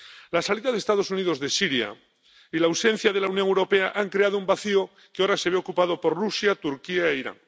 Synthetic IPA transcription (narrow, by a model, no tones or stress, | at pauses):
lasaliðaðest̪að̞o̞suniðo̞zðe̞siɾja̰ | ilaːwsẽ̞n̟θjað̞e̞launjoŋewɾo̞peaʔaŋkɾeað̞oumbaθio | keoɾase̞β̞eokupað̞o̞po̞rrusjat̪uɾkiaeiɾa̰ŋ